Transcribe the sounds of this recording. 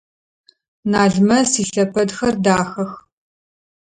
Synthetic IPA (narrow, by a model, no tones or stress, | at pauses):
naːɮmɐsiːɬɐpʰɐdxɐrdaːxɐx